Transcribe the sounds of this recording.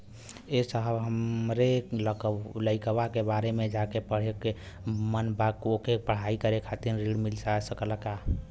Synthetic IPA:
esəɦəbɦəmɾelkləɪkəbakebaɾemed͡ʒakepəɽ̤eke | mənbakokepəɽ̤aikəɾekʰat̪inɾiɽmilsasəkələka

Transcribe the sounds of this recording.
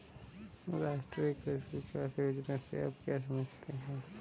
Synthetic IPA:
ɾaːsʈɾikeskit͡ʃʰoaseɦʊd͡ʒɾasḛa̰ːpkjaːs̬ɐməd͡ʒʱt̪eɦɛ̃ː

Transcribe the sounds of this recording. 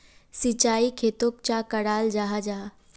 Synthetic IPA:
sit͡ʃaːikʰeːt̪oːk̚t͡ʃakɐɽaːld͡ʒaːɦad͡ʒaːɦ

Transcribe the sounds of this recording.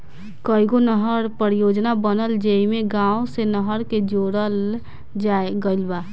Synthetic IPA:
kəiɡonəɦəɾpəɾjoːd͡ʒnabənəld͡ʒeimẽɡãːosenəɦəɾked͡ʒoːɾəl | d͡ʒaeɡəɪlba

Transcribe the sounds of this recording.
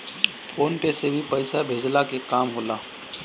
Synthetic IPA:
foːnʈesebʱipɐɪsabʱeːd͡ʒlakekaːmɦoːlaː

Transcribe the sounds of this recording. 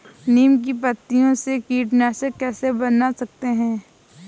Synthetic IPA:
niːmk̬ipət̪ːijõsekiːʈnɛːʃəkɛːsebɐnasɐk̚t̪eɦɛ̃ː

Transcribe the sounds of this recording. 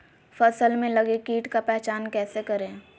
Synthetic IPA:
fɐsəlmẽlɐɡekiːʈkapɛːt͡ʃaːnkɛːsekɐɾẽ

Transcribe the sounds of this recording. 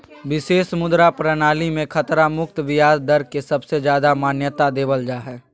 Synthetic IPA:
ʋɪseːʃmʊd̪ɾapɾənaːlimẽkʰɐt̪ɾamʊkt̪ʋɪjaːd̪d̪ɐɾkesɐbsed͡ʒjaːd̪amaːnjət̪ad̪eːʋəld͡ʒaːɦɛː

